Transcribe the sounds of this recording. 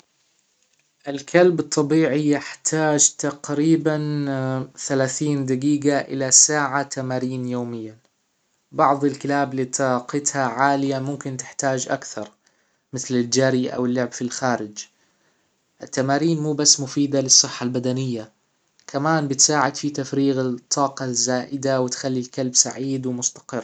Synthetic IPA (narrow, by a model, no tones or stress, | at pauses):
ʔɪlkʰalbɨt̪ˤːɑbiːʕijɪħt̪ʰaːd͡ʒt̪aqɾiːban | θalaːθiːnd̪aɡiːɡaʔɪ̰lasaːʕat̪amaːɾiːnjoːmɪjːa | bɑʕðˤɪlkɪlaːblit̪ɑqɪt̪haʕaːlɪjamʊmkɪnt̪ɪ̥ħt̪aːd͡ʒʔa̰kθɑɾˤ | mɪθlɪld͡ʒaːɾiʔa̰wɪlːʊʕbfilxaːɾɪd͡ʒ | ʔɪt̪ːamaːɾiːnmuːbasːmʊfiːd̪alɪsˤːɨħːalbad̪anɪjːa | kʰamaːnbɪt̪saːʕɪd̪fit̪afɾiːɣɪt̪ˤʰːɑːqɑzːaːʔɪd̪awɪt̪xalːilkalbsaʕiːd̪wmʊst̪ɑ̥qɪrː